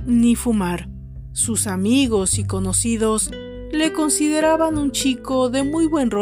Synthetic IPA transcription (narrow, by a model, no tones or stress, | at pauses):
nifumaɾ | susamiɣo̞siko̞nosiðo̞s | le̞ko̞nsiðe̞ɾaβanunt͡ʃikoðe̞mujβwe̞nro